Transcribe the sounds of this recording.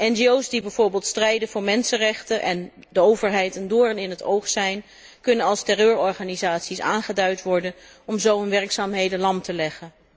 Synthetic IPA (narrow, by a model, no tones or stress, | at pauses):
ʔɛnʒiowsdibɛjv̥ʊːɹbɪːlˠtstrɛjdənvʊːɹmɛnsənrɛχtənʔɛ̰n | dəowvəɹɦɛjtəndʊːrənɪnɦətowχsɛjn | kɵnənɑlˠstɛrøːɹɔɹχaːnizaːtsisa̰ːnχədœɥtʋɔɹdən | ɔmzowənʋɛrksaːmɦejdəlɑmtəlɛχən